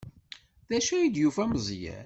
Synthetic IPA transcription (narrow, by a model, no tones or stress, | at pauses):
ðæʃæjid̪jufæməzˤjæ̰